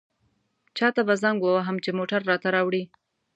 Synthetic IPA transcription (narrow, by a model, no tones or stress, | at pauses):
t͡ʃɑt̪abazaŋɡwəwaɦamt͡ʃemoʈaɾːɑt̪aɾɑwɽi